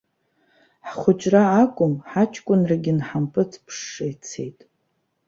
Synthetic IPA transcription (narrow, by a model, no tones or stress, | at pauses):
ħχʷʊt͡ʃʼraːkʷʼʊmħat͡ʃʰʼkʷʼʊnraɡʲɪnħampʼɨt͡sʰpʰʂːejt͡sʰe̞̰jtʼ